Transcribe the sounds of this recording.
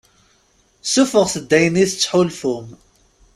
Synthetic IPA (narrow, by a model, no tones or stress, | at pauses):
sufəʁsəd̪ːæjəniθət͡sːħulfʊm